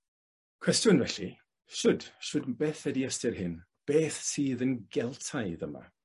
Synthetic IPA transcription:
kʰwɛstjʊnvɛɬi | ʃʊd̥ʃʊdbeːθɛdiəstɪrhɪn | b̥eːθsiːðənɡɛlˠtʰaɨðəma̰

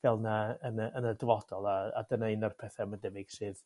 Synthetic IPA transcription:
vɛlˠnaənəənədɪvɔdɔlˠaa̰dənaɨnarpʰɛθɛmandɛbɪɡ̥sɨːð

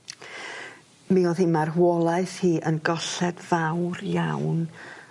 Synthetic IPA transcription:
miɔðimarwɔlˠaɨθhiːʔənɡɔɬɛd̥vawrjawn

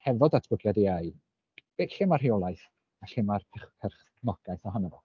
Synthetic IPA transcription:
hɛvɔdatʰwʊɡljadiaj | b̥eɬɪmarhiɔlˠajθ | aɬɪmarpʰɛχpʰɛrχ | nɔɡ̥ajθɔɦanəvɔ

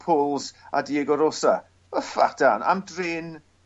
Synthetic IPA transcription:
pʰoːlˠza̰diːɛɡɔɾosa | əfa̰tana̰mdrɪn

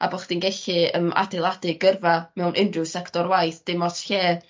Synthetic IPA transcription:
a̰bɔχd̥inɡɛɬɨəma̰dɛlˠadɨɡərvamɛwnʔɪndrɨwsɛktɔɾwajθd̥ɪmɔsɬeː

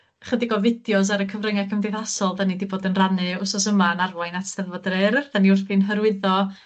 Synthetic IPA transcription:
χədɪɡɔvɪdjɔs̬aɾəkʰəvrəŋakʰəmdejθasɔlˠdanidiboːdənranɨʊsɔsəmaənarvajnatʰɛðvɔdrɨrð̥aniʊrθinɦəɾwɨðɔ

